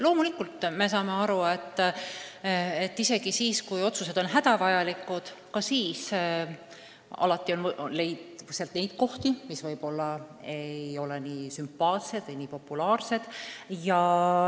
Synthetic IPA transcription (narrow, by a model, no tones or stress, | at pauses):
lo̞ːmulikːult̪ːˑme̞sɑːme̞ɑɾue̞t̪ː | et̪ːise̞ɡ̥isiːskujo̞t̪suse̞d̪o̞nɦæd̪ɑvɑjɑlikːˑud̪̥kɑsiːs | ɑ̰lɑt̪ˑːio̞nle̞jd̪seɑlt̪ne̞jd̪̥ko̞ht̪imisvɤjb̥o̞lːɑe̞jo̞le̞niːsympːˑɑːt̪se̞d̪̥ejniːpo̞pːˑulɑːrse̞d̪̥jɑ